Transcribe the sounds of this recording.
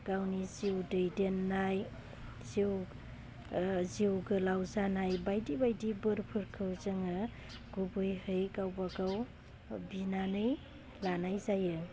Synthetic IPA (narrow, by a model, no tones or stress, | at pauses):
ɡ̥awniziwdɯjdenːaj | ziw | ziwɡɯlawzanajbajdibajdibɯɾpʰɯɾkʰɯwzɯŋa | ɡubɯjhɯjkawbaɡaw | binanɯj | lanajzajɯ